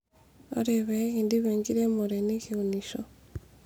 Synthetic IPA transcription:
o̰ɾeβeɣindiβeŋɡiɾemoɾenekiuniʃo

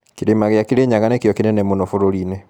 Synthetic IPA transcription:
kiɾemaɣjakiɾeɲaɣanɛkjɔkinɛnɛmonofoɾoɾinɛ

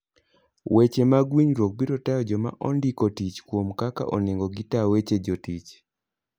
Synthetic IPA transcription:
wet͡ʃemaɡwiɲɾok̚biɾɔtajɔd͡ʒɔma̰ʔɔ̰ndikotit͡ʃkwomkaka̰ʔɔ̰neŋɡɔɡitawet͡ʃed͡ʒɔtit͡ʃ

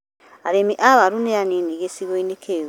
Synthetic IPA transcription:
aɾemiʔaβaɾuneaniniɣesiɣwoinekʰe

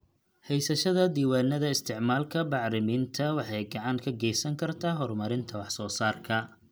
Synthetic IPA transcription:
hɛjsɐʃɐðɐd̪iːwaːnːɐðɐɪst̪ʰɪʕmaːlkʰɐbɑʕɾɪmiːnt̪ʰɐwɑħɑjɡɑʕɑŋkʰɐɡɛjsɐŋkʰɐrt̪ʰaːɦɔrmɐɾɪnt̪ʰɐwɑħsɔːsaːrkʰɐ

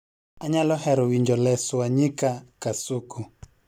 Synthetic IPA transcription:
aɲalɔhɛɾɔwiɲd͡ʒɔlɛswaɲikakasuku

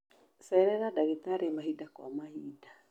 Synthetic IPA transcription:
sɛɾɛɾadaɣet̪aɾemaɦidakwa̰mahida

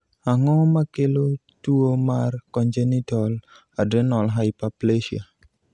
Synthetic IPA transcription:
aŋɔmakelo | tuomarkɔɲd͡ʒenitɔl | adenɔlɦaɪpapleʃia̰

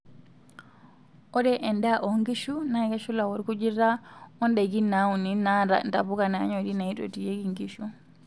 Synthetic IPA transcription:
ʔɔdɛʔɛndaʔɔŋɡiʃunajɡaʃulawɔɾkud͡ʒiɾaɔndɛɡinawuninada̰ndabukana̰ɲɔdinaiɗo̰tijeɡiŋɡiʃu

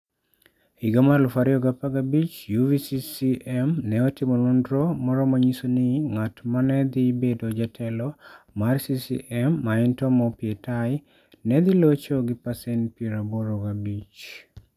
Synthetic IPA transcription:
iɡamarlufaɾiɔɡapaɡabit͡ʃjuvisisiʔɛmnɛɔtimonundɾɔmɔɾɔmaɲisonɪŋatmanɛd̪ɪbedod͡ʒatʰɛlɔ | marsisḭʔɛmːaɛntɔmɔpiɛtaj | nɛd̪ɪlot͡ʃoɡɪpasɛnpieɾaboɾoɡabit͡ʃ

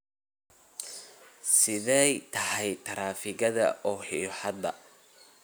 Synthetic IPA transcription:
sɪðɛjt̪ʰɐhɛjt̪ʰɐɾaːfɪɣɐðɐ̰ʔɔːħiːħɑd̪ɐ̰

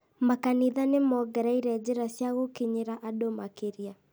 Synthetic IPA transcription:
makaniðanemɔɡɛɾaiɾɛd͡ʒeɾasjaɣokiɲeɾaʔadomakeɾja

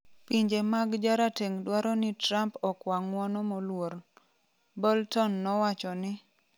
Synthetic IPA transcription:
piɲd͡ʒemaɡd͡ʒaɾateŋdwaɾɔnɪtɾampɔkwaŋwɔnɔmolwoɾ | bɔltɔnːɔwat͡ʃɔnɪ

